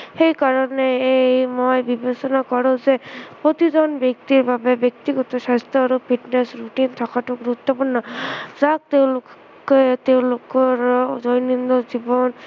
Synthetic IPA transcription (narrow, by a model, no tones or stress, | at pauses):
xejkaɾɔneejmojbibesɔnakɔɾõzepot̪izɔnbjek̚t̪iɹbabebjek̚t̪iɡɔt̪ɔsast̪ʰɔaɾopʰiʈnesɹuʈint̪ʰɔkaʈuɡɾut̪ːɔpuɹnːɔzak̚t̪eʊ̃lʊ | ket̪eʊ̃lokɔɹzojnind̪ɔzibɔn